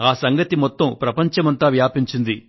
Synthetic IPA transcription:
aːsɐŋɡɐt̪imɔt̪ːɐmpɾɐpɐɲt͡ʃɐmɐnt̪aːʋjaːpiɲt͡ʃind̪i

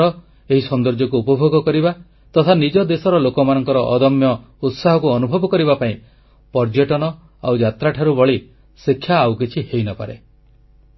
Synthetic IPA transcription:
ɔ | eɦisɔnd̪ɔɾd͡ʒɔkuːpɔbʱoɡɔkɔɾiba | t̪ɔt̪ʰanid͡ʒɔd̪esɔɾɔlokɔmanɔŋkɔɾɔʔɔd̪ɔmjɔ | ut̪saɦɔkuɔnubʱɔbɔkɔɾibapaĩ | pɔɾd͡ʒeʈɔnɔ | a̰wd͡ʒat̪ɾaʈʰaɾubɔɭi | sikʰːjaːwkit͡ʃʰihejnɔpa̰ɾe

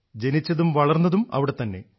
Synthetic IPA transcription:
d͡ʑe̞nit͡ɕːɐðumʋɐɭɐrnːɐðumɐ̰ʋiɽe̞t̪ɐnːe̞̰

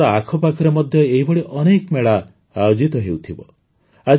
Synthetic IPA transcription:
ɔakʰɔpakʰɔɾemɔd̪ʱjɔeɦibɔɽiʔɔnekmeɭa | ajod͡ʒit̪ɔɦewt̪ʰibɔ | a

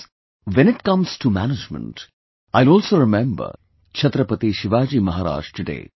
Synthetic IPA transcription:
ʋɛ̃nɪʈ̚kʌ̃mz̥ʈumæ̰nɪd͡ʒmə̰̃nʈ | aɪlɔːlsoɾɪmɛ̃mbə̰ɾ | t͡ʃʰɐt̪ɾəpət̪iʃɪʋaːd͡ʒiːmɐɦaːɾa̰ːʃʈuɖḛː

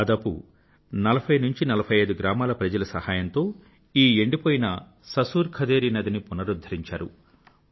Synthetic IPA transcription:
aːd̪aːpṵ | nɐlɐpʰɐjnuɲt͡ʃinɐlɐpʰɐjɐjd̪uɡɾaːmaːlɐpɾɐd͡ʒɐlɐsɐhaːjɐnt̪o̞ː | iːeɳɖipoːjinɐ | sɐsuːɾkʰɐd̪eːɾinɐd̪inipunɐɾud̪ʱɐɾiɲt͡ʃa̰ːɾṵ

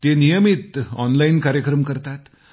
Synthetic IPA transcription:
t̪enijəmit̪ɔnlainkaɾjəkɾəmkəɾt̪at̪

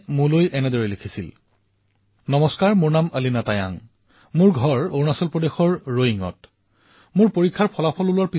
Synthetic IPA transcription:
mũlojʔɛnɛdɔɹɛlekʰisil | nɔmɔskaɹmʊɹnaməlinataja̰ŋ | mʊɹɡʱɔɹoɹnasɔlpɹɔdexɔɹːoɦiŋɔ̰t | mʊɹpoɹikʰːaɹpʰɔlapʰɔlulaɹpi

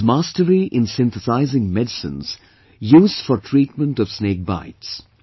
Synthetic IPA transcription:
maːstəɾiʔɪ̃nsɪ̃nt̪əsaɪzɪ̃ŋmɛdɪsɪ̰̃nz̥ | juːzd̥fɔɾʈʰɾiːʈ̚mə̃nʈɔʋ̥sneːk̚ba̰ɪts

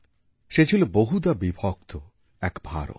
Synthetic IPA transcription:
ʃet͡ɕʰiloboɦud̪abibʱɔk̚t̪o | ɛkbʱa̰ɾo̰

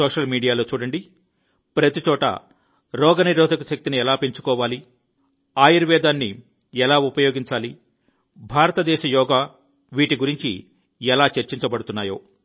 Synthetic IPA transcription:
sɔːʂɐlmiːɖijaːlo̞ːt͡ʃuːɽɐɳɖi | pɾɐt̪it͡ʃɔːʈɐ̰ | ɾɔːɡɐniɾɔːd̪ʱɐkuʃɐk̚t̪iniɛlaːpeɲt͡ʃu̥kɔːʋaːli | aːjiɾʋɛːd̪aːnːi | ɛlaːupɐjoːɡiɲt͡ʃaːli | bʱaːɾɐt̪ɐd̪ɛːʃɐjɔːɡaː | ʋiːʈiɡuɾiɲt͡ʃḭ | ɛlaːt͡ʃeɾt͡ʃiɲt͡ʃɐbɐɽut̪unːaːjo̰ː

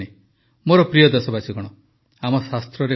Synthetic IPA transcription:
e | moɾɔpɾijɔd̪esɔbat͡ʃʰiɡɔɽ̃ɔ | amɔsast̪ɾɔɾe

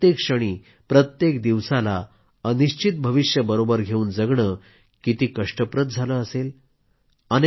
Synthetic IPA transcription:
jekʂəɽ̃iː | pɾət̪jekd̪iʋsala | əniɕt͡ɕit̪̚bʱəʋiɕjəbəɾobəɾɡʱeuːnd͡zəɡɳəː | kit̪iːkəʂʈəpɾət̪̚d͡zʱaləəsel | an

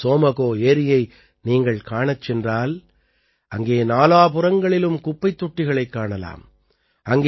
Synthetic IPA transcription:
soːmɐɣoːeːɾɪjɐɪ | niːŋɡɐɭkaːɳɐt͡ʃːɛndraːl | ʔɐŋɡeːnaːlaːp̬ʊrɐŋɡɐɭɪlɯmkʊpːɐɪt̪ːʊʈːɪɣɐɭɐɪkːaːɳɐla̰ːm | ɐŋɡ

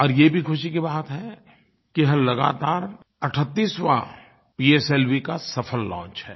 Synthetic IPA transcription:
ɔːɾjebʱikʰʊʃik̬ibaːt̪ɦɛ | kiɦɐ̃lɐɡa̰ːt̪aːɾ | ɐʈʰət̪ːiːswa̰ | piːeseːlʋikasɐfʰəlːɔ̰̃ːnt͡ʃɦɛː

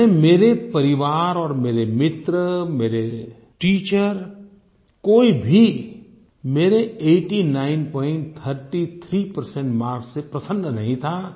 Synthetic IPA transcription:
emeːɾepɐɾɪʋaːɾɔːɾmeːɾemɪt̪ɾəmeːɾe | ʈiːt͡ʃəɾ | koːibʱi | meːɾeeːʈinaːɪnpɔːɪ̃ɳʈt̪ʰəɾʈit̪ʰɾiːpəɾsɛ̃ɳʈmaːɾksepɾɐsə̃nːənɐɦĩt̪ʰa

